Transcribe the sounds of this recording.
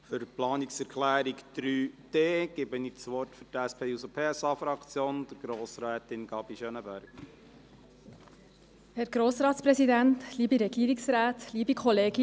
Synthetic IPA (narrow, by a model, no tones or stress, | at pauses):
fʏɾplɑːniksɛɾkʰlæːɾikd̥ɾyːd̥eːɡ̥ɪbənit͡sʋɔɾtfʏɾtæspʰeːusəpʰeːɛsɑfɾɑkt͡sjoːnd̥əɾɡ̥ɾoːsɾɛːt̪ɪnɡɑbiʃœnəbæɾɡ | hɛɾɡɾoːsɾɑːtspɾɛsidæntliːbiɾɛɡ̥iːɾiksɾæːt̪liːbikʰɔleːɡi